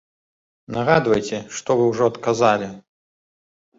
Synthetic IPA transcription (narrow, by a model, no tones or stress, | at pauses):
naɣad̪vɐjt͡sʲɛʂt̪ɔvɨwʐɔɐt̪kazalʲi